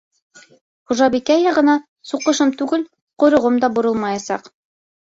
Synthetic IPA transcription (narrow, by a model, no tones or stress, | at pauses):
χuʒɑbikæjːɑʁɤ̆nɑ | suqɤ̆ʃɤmt̪ʉɡɘl | qŏjɾŏʁɤmd̪ɑbŏɾɤlˠmɑjɑsɑ̰q